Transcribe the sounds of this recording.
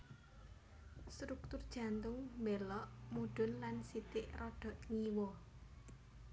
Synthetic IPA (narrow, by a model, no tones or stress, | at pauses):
st̪ɾuk̚t̪ʊrd̥ʒ̥a̤nt̪ʊŋmbelɔʔmuɖ̥ʊ̤nlansit̪ɪʔrɔɖ̥ɔ̤ʔŋiwɔ